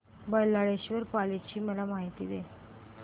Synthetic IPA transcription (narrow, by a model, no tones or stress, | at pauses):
bəlːaɽeɕʋəɾpalet͡ɕiːməlamaɦit̪ḭːd̪e